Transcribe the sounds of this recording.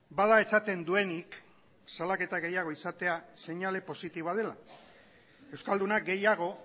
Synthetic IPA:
baðae̞sat̪e̞nd̪ue̞nik | salake̞t̪aɣe̞jaɣ̞o̞isat̪e̞ase̞ɲale̞po̞sit̪iβað̞e̞la̰ | e̞wskald̪unaɡe̞jaɣ̞o̞

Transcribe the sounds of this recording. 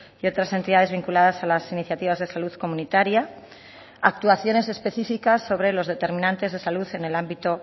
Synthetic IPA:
io̞t̪ɾase̞nt̪iðaðe̞zβiŋkulaðasalasiniθjat̪iβazð̞e̞saluðko̞mũnit̪aɾjaː | k̚t̪uaθjo̞ne̞se̞spe̞θifikasːo̞β̞ɾe̞lo̞zðe̞t̪e̞ɾmĩnãnt̪e̞zð̞e̞saluθe̞ne̞lambit̪o̞

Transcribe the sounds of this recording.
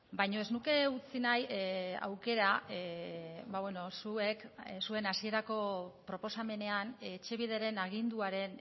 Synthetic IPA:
bajɲo̞e̞znuke̞ut͡sinaja̰wke̞ɾa | baβweno̞sue̞ksue̞nasie̞ɾako̞pɾo̞po̞same̞ne̞anːt͡ʃe̞βiðeɾe̞naɣ̞ind̪uaɾe̞n

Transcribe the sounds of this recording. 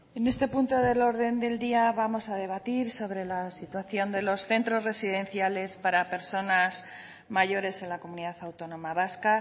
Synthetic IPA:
e̞ne̞st̪e̞punt̪o̞ðe̞lo̞ɾðe̞nd̪e̞ld̪iaβamo̞sað̞e̞β̞at̪iɾso̞β̞ɾe̞lasit̪waθjo̞nd̪e̞lo̞sθe̞nt̪ɾo̞zre̞siðẽ̞nθjale̞spaɾape̞ɾso̞nas | maʝo̞ɾe̞se̞nlako̞muniðaθawt̪o̞nõ̞maβaska

